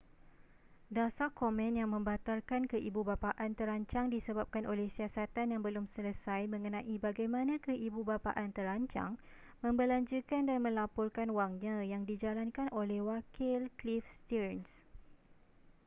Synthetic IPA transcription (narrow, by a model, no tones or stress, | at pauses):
dasakomɛ̃njaŋmə̃mbat̪arkankəʔibubapaʔant̪əɾaɲt͡ʃaŋdisəbap̚kanʔolɛhsiasat̪anjaŋbəlʊmsələsajmə̃ŋənãʔibaɡajmãnãkəʔibubapa̰ʔant̪əɾaɲt͡ʃa̰ŋ | mə̃mbəlaɲd͡ʒukandanmə̃lapʊrkanwaŋɲãjaŋdid͡ʒalankanʔolɛhwakɪlklifst̪iɾns